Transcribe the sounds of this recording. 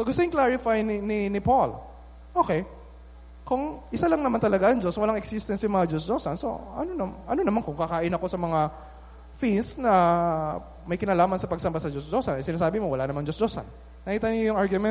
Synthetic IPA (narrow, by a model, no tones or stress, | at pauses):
soɡʊst̪ʊɪŋklaɹɪfajnɪnɪnɪpol | ʔoːkɛj | kʊŋʔɪsalɐŋnɐmant̪ɐlɐɡaʔːŋd͡ʒoswɐlaŋɛksist̪ɛnsjʊŋmɐŋad͡ʒos̬d͡ʒosɐnso̞̰ʔɐ̰nonɐʔɐno̞nɐmankʊŋkɐkaːʔɪnɐko̞sɐmɐŋa | finsnɐ | mɐjkɪnaːlaːmɐnsɐpɐɡ̚sɐmbasɐd͡ʒosd͡ʒosɐnɐjsɪnaːsaːbɪmowɐlanɐmaŋd͡ʒosd͡ʒoːsɐ̰n | nɐkiːt̪ɐnojʊŋʔaɹɡjʊmɛ